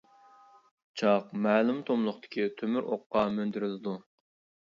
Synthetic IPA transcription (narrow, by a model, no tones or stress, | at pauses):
t͡ʃʰɑqmæːlymt̪ʰomlˠʊχt̪ʰɪ̥kʲʰit̪ʰømyɾʔo̰qːɑmønd̪yɾɪlɪd̪u